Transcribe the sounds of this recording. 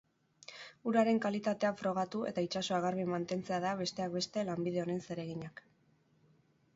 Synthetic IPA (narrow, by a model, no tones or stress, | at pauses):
uɾaɾe̞ŋkalit̪at̪e̞afɾo̞ɣ̞at̪ue̞̰t̪ait͡ʃaso̞aɣarβimant̪e̞nt͡se̞aðaβe̞st̪e̞ak̚be̞st̪e̞lambið̞e̞o̞ne̞nse̞ɾe̞ɣ̞iɲak